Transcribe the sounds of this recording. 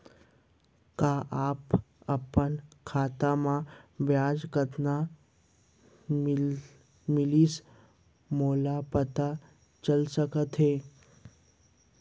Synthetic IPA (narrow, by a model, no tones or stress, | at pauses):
kaːʔaːp | ɐpənkʰaːt̪amãʋjaːd͡ʒkət̪na | mɪliːs | moːlapət̪a | t͡ʃəlsəkət̪ɦeː